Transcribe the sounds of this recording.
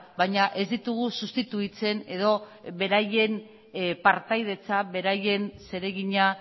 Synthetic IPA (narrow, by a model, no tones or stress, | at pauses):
baɲaʔe̞zd̪it̪uɣ̞usust̪it̪uit͡se̞ne̞ðo̞βe̞ɾaje̞n | paɾt̪ajð̞e̞t͡saβe̞ɾaje̞nse̞ɾe̞ɣiɲa